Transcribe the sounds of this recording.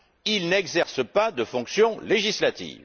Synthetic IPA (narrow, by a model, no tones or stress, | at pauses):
ilnɛɡzɛʁsəpad̪əfɔ̃ksjɔ̃leʒislat̪ḭːv